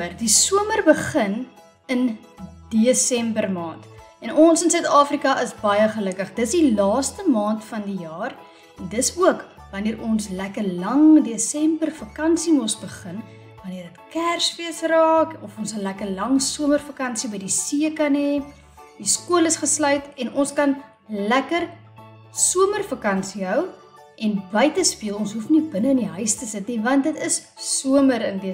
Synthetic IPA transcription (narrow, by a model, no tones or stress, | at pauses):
ərdisuəmərbəχən | ən | d̥iəsɛmbərmɑːnt | ɛnɔnsənsœɥtɑːfrikɐʔəsbɐjəχələkəχdətsdilɑːstəmɑːntfɐndijɑːr | ɛndəsuək | vɐniəɾɔnslækərlɐŋdeːsɛmbərfɐkɐnsimɔsbəχən | vɐniərdətkærsviəsrɑːkɔfɔnsəlækərlɐŋsuəmərfɐkɐnsibəjdisiəkɐnɛ | d̥iskuələsχəslœɥtɛnʔɔnskɐn | lækər | suəmərfɐkɐnsiɦœw | ʔɛnbəjtəspiəlˠɔnsɦufnibənəəndiɦœɥstəsətnivɐnt̚dətəs | suəməɾəndiə